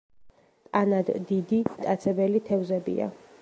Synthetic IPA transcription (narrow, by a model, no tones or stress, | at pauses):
tʼanad̪ːid̪it̪ʼat̪sʰɛbɛlit̪ʰɛvzɛbḭa̰